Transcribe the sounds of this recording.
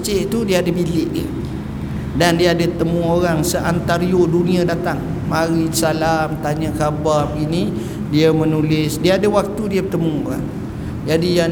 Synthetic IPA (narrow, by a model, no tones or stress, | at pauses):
t͡ʃɪʔt̪udiaadabilɪʔdḭ | dandiaːdat̪əmũoɾaŋsəʔant̪aɾioduniadat̪aŋ | maɾisalamt̪aɲakabarpɡini | diamənulɪsdiaadawak̚t̪udiabət̪əmũoɾa̰ŋ | d͡ʒadija